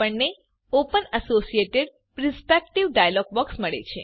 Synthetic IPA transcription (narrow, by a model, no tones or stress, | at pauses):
əɳne | opənəsosieʈeɖ | ɾɪspek̚ʈiʋɖajəlɔɡ̚ʋəksməɭḛt͡ʃʰe